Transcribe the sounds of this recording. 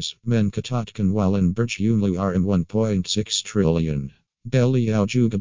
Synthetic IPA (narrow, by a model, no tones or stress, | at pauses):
smɛ̃nkʰɨtʰɑtkɨ̃nwalˠɨ̃nbə˞t͡ʃjʉnlʉə˞ɨ̃nwʌ̃npʰɔ̃ɪ̃ntsɪkstʰɹ̥ɪlˠjɨ̰̃n | bɛlˠialˠd͡ʒuɡə